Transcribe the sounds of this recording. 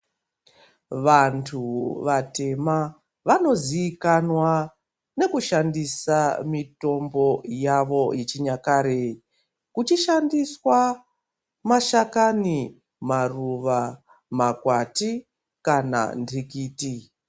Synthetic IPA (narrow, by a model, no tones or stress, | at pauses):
ʋantʰuʋate̞ma | ʋano̞ziːkanwa | ne̞kuʃandisamito̞mbo̞jaʋo̞jet͡ʃiɲakaɾei | kut͡ʃiʃandiswa | maʃakani | maruʋa | makwati | kana̰ndʱikiːti